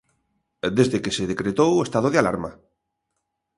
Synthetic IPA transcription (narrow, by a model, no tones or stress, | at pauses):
d̪ezðekeseðekɾet̪owest̪aðoðeala̰ɾma